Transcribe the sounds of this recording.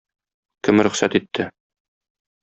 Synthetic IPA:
kɘmɾɵ̆χsæt̪it̪ʰːɘ

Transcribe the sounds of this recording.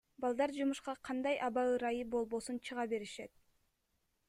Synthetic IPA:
bɑlˠd̪ɑɾd͡ʒumuʃqɑqʰɑnd̪ɑjʔɑβɑɯɾɑjɯbo̞lˠβo̞sunt͡ʃʰɯʁɑbe̞ɾiʃe̞t̪̚

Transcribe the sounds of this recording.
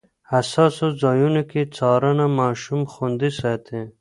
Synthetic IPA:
hɐsɑsozɑːjunokit͡sʰɑːɾanamaːʃumxund̪isat̪ʰe

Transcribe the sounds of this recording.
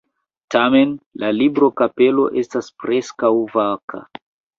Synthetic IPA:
tame̞nlʔalibɾo̞kape̞lo̞̰ʔe̞staspɾe̞skawvakʰa̰

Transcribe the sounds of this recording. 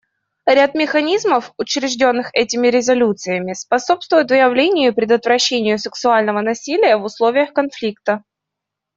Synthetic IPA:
ɾʲat̪̚mʲɪxɐnʲizməfʊt͡ɕɾʲɪʐdʲo̞nːɨxɛtʲɪmʲɪɾʲɪzɐlʲut̪sɨjəmʲɪspɐso̞pst̪vʊjʊt̪vɨjɪvlʲenʲɪjʊpɾʲɪd̪ət̪vɾɐɕːenʲɪjʊsɨksʊalʲnəvənɐsʲilʲɪjəvʊslˠo̞vʲɪjəxkɐn̪flʲik̚t̪ə

